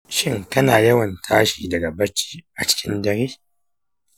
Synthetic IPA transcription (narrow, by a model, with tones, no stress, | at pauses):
ʃɪ˦˨ŋtɐ˦naː˨jɐ˦wɐ˨ntʰaː˦ʃiː˨dɐ˨ɡa˨bɐ˦t͡ʃi̥ː˦ʔa˨t͡ʃɪ̥˦kʲʰɪ˦ndɐ˨ɾiː˦